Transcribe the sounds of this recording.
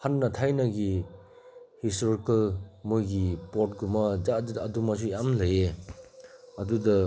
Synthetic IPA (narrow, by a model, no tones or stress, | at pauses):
hanːɐtʰajnɐɡi | histoɾikɐlmojɡipot̚ɡumɐd͡ʒaddɐdumas̬ujamlɐje | ɐdudɐ